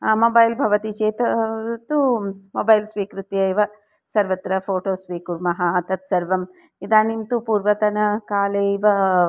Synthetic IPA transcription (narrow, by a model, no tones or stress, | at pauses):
mobɐjlbʱɐʋɐt̪it͡ʃeːt̪ɐt̪umoːbɐjlsʋiːkɾut̪jɐjʋɐ | sɐɾʋɐt̪ɾɐpʰoːʈoːsʋiːkuɾmɐɦɐːt̪ɐt̪sɐɾʋɐm | id̪aːnimt̪upuːɾʋɐt̪ɐnɐkaːleiʋɐ